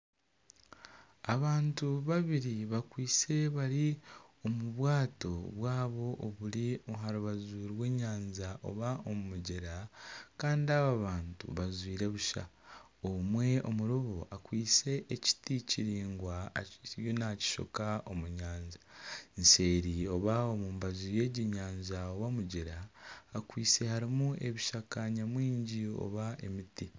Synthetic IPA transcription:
aβaːntuβaβiɾiβakwiːt͡se̞βaɾio̞muβwaːto̞βwaːβo̞ʔːβuɾiɦaɾuβazuɾwe̞ːɲaːnzaʔo̞̰βao̞mumuɟeɾakaːndiaβaβaːntṵβazwiːɾe̞βuʃa̰ | omwe̞o̞̰muɾuβoʔakwiːt͡se̞ʔːci̥ticiɾiːŋɡwajonaci̥ʃo̰kao̞muɲaːnzanse̞ːɾio̞βaomuːmbaziːje̞ɟiɲaːnzaoβamuɟeɾaːkwiːt͡se̞haɾimue̞βiʃakaɲamwiːɲɟio̞̰βae̞miti

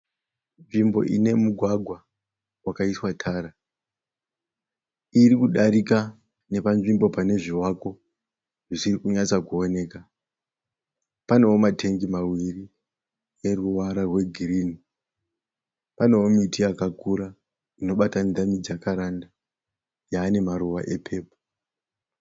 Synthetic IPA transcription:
nʐimbo̞̰ʔḭne̞muɡʱwaɡʱwa | wakaiswatʰaːɾa | irikuɗaɾika | ne̞panʐimbo̞pane̞ʐiwako̞ | ʐisirikuɲat͡sakuone̞ka | pane̞womatʰe̞ŋɡimawiri | je̞ruwaɾarwe̞ɡʱiriːni | pane̞omitʰiakakuɾa | ino̞ɓatanid͡zamid͡zakaɾanda | jaːne̞maɾuwaʔe̞pʰe̞ːpo̥

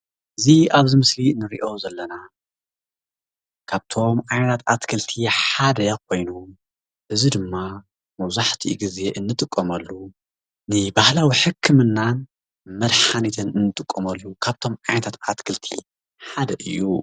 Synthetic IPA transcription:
ʔɨziʔaβzimɨslinɨɾḭʔo̞zɐlːɐna | kʰaβt̪ʰo̞mʔajnɐt̪ʰat̪at̪kʰɨlt̪ʰiħad̪ɐkʰo̞jnom | ʔɨzid̪ɨmːa | mɐwzaħt̪ʰiɡize̞ʔɨnːɨt̪ʼɨkʼːɐmɐlːu | nɨbahlawiħɨkʰːɨmɨnːan | mɐd̪ħanit̪ʰɨnɨnːɨt̪ʼɨkʼːɐmɐlːukʰaβt̪ʰo̞mʕajnɐt̪ʰat̪at̪kʰɨlt̪ʰḭ | ħad̪ɐʔɨjːṵ

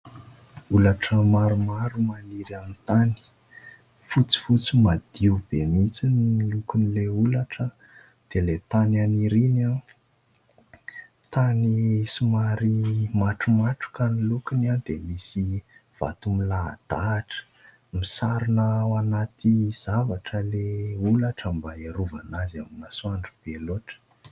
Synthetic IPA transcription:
ulaʈ͡ʂəmaɾumaɾumaniɾamint̪ani̥ | fut͡si̥fut͡simad̪̥iub̥emit͡sinilukunileulaʈ͡ʂə | d̪̥elet̪ananiɾina | t̪anisumaɾimaʈ͡ʂumaʈ͡ʂu̥kanilukinad̪̥emisiv̥a̰t̪umila̰ːd̪̥aʈ͡ʂə̥ | misaɾinəwanat̪ʰiz̥avaʈ͡ʂəleulaʈ͡ʂəmbaeɾuvanazaminasuaɳɖ͡ʐub̥eloʈ͡ʂə̥

